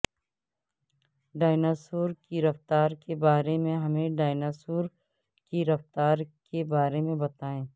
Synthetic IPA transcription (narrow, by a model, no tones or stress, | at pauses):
ɖaːjnaːsoːɾkiɾɐft̪aːɾkebaːɾemẽɦɐmẽɖaːjnaːsuːɾ | kiɾɐft̪aːɾkebaːɾemẽbɐt̪aːẽː